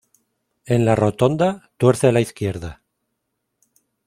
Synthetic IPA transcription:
e̞nlaro̞t̪o̞nd̪at̪we̞ɾθelaiθkje̞ɾða

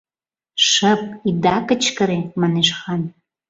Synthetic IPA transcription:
ʃəp̚id̪ɑkət͡ɕkəɾemɑneʃxɑn

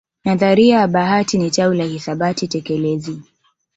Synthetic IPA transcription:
naðaɾiaɓaɦatinitaulahisaɓatitɛkɛlɛzi

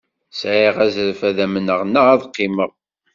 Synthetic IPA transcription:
sʕiʁæzəɾfæðæmənəʁnəæðqːiməʁ

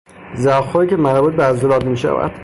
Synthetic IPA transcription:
zæxoːicʰʲemæɾbut̪̚beæzolɒːt̪miːʃæ̰væ̰d̪̥

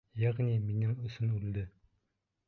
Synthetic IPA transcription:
jaʁniminɘŋɵ̆sɘnʉld̪ɘ

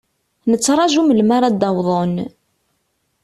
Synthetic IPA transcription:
nət͡sːɾˤɑʒuməlmaɾˤɑd̪ːɑwðˤon

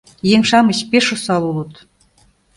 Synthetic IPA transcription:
jeŋʃɑmə̆ɕpeʃusɑlulɤ̆t̪

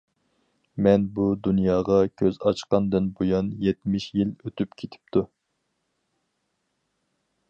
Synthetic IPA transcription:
mɛnbud̪unjɑːʁɑkʲʰøzɑt͡ʃqɑnd̪ɨnbojɑnjɛt̪mɪʃjiløt̪ʰypkʲʰet̪ʰɪ̥p̚t̪ʰu

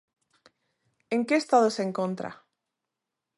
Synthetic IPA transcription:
eŋkeest̪að̞oseŋkont̪ɾa̰

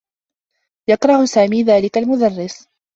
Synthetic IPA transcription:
jɑqɾˤɑhsaːmiːðaːlɪkalmʊd̪ɑrːɪs

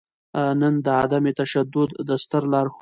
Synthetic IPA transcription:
nənd̪əad̪amet̪aʃad̪ʊd̪ːəst̪əɾlɑɾx

